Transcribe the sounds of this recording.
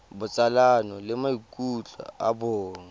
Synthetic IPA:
bʊt͡sʼalanɔlɪmaikʼut͡ɬʼɔ̰a̰boːŋ̩

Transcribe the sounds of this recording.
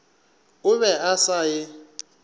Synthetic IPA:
ʊβɛasajɪ

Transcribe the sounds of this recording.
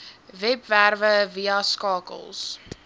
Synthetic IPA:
vɛpværvəviɐskɑːkə̰lˠs

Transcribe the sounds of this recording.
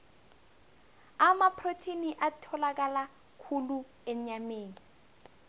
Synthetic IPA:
amapʰrotʰiniʔatʰɔlak̬ʼala | kʰulu | eɲɲameːni

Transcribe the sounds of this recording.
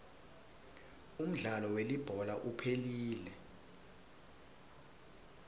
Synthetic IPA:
um̩ɮalɔwelib̥ʱɔlaʔupʰeliːlɛ

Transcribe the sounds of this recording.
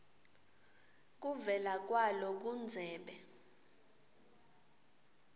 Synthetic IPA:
k̬uvɛlak̬walɔk̬und͡zʱɛːɓɛ

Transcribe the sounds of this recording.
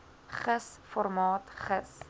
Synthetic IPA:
χəsfɔrmɑːtχəs

